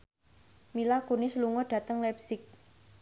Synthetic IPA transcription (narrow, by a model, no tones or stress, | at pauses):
milakunisluŋɔɖ̥ä̤t̪əŋlɛpsɪk̚